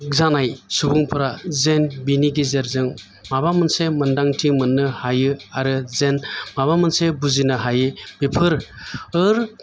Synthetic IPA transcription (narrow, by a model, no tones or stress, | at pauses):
zanajsubuŋpʰɯɾazenbiniɡizeɾzɯŋ | mabamɯnsemɯndaŋtʰiŋmɯnːɯhajɯaɾɯzenmaβamɯnsebuzinɯɦajɯbipʰɯɾɯɾ